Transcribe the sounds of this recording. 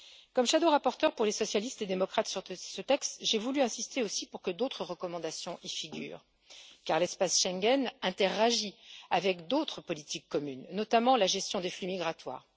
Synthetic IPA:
kɔmʃad̪oʁapɔʁt̪œʁpuʁlesɔsjalist̪ed̪emɔkχat̪syʁsət̪ɛkst̪ʒevulyɛ̃sist̪eosipuʁkəd̪ot̪χəʁəkɔmɑ̃d̪asjɔ̃ʔifiɡʲy̰ːʁ | kaʁlɛspasʃɛ̃ŋɡɛnɛ̃t̪eʁaʒiavɛkd̪ot̪χəpɔlit̪ikːɔmynːɔt̪amɑ̃laʒɛst̪jɔ̃d̪eflymiɡʁat̪wa̰ːʁ

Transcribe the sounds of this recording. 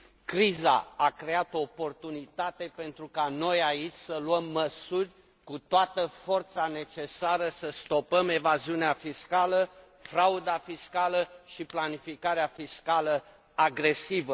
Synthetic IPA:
kɾiza̰akɾe̞at̪oːpo̞rt̪unit̪at̪e̞pe̞nt̪ɾukano̞jait͡ʃʲsəluəmːəsurʲ | kut̪oat̪əfo̞rt̪sane̞t͡ʃe̞saɾəsəst̪o̞pəme̞vaziuneafiskalə | fɾaud̪afiskaləʃiplanifikaɾeafiskalə | aɡɾe̞sivə

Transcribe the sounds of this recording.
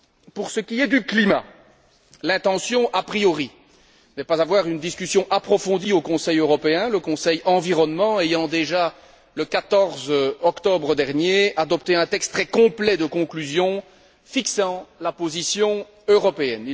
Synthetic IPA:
puʁsəkʲiɛd̪yklima̰ | lɛ̃t̪ɑ̃sjɔ̃ʔapχijɔʁi | nɛpazavwaːʁynd̪iskʲysjɔ̃ʔapχɔfɔ̃d̪iokɔ̃sɛjøʁɔpeɛ̃ləkɔ̃sɛjɑ̃viʁɔnmɑ̃ejɑ̃d̪eʒa | ləkat̪ɔʁzɔkt̪ɔbʁəd̪ɛʁnjead̪ɔp̚t̪eɛ̃t̪ɛkst̪ːχɛkɔ̃plɛd̪əkɔ̃klyzjɔ̃ | fiksɑ̃lapozisjɔ̃ | øʁɔpeɛni

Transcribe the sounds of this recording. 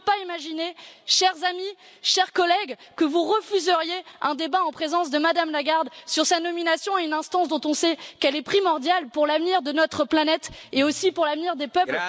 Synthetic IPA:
paimaʒineʃɛʁzami | ʃɛʁkɔlɛɡkəvuʁəfyzəʁjeɛ̃d̪ebaɑ̃pχezɑ̃s̬d̪əmad̪amlaɡaʁd̪syʁsanɔminasjɔ̃aynɛ̃st̪ɑ̃sd̪ɔ̃t̪ɔ̃sɛkɛlɛpχimɔʁd̪jalpuʁlavniʁd̪ənɔt̪χəplanɛt̪eosipuʁlavniʁd̪epœpl

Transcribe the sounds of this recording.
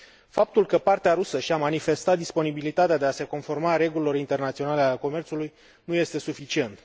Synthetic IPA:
fap̚t̪ulkəpart̪eaɾusəʃiamanife̞st̪at̪̚d̪ispo̞nibilit̪at̪ead̪e̞ase̞ko̞nfo̞rmaɾe̞ɡulilo̞ɾint̪e̞rnat̪sio̞nalealeko̞me̞rt̪suluj | nuje̞st̪e̞sufit͡ʃie̞nt̪

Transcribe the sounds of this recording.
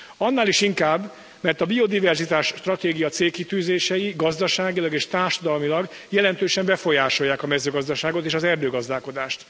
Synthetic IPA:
ɒnːaːliʃiŋkaːbː | mɛrt̪ɒbio̞d̪ivɛrzit̪aːʃt̪rɒt̪eːɡijɒt̪seːlkit̪yːzeːʃɛjiɡɒzd̪ɒʃaːɡilɒɡeːʃt̪aːrʃɒd̪ɒlmilɒɡ | jɛlɛnt̪øːʃɛmbɛfo̞jaːʃo̞jːaːkɒmɛzøːɡɒzd̪ɒʃaːɡo̞t̪eːʃɒzɛrd̪øːɡɒzd̪aːlko̞d̪aːʃt̪

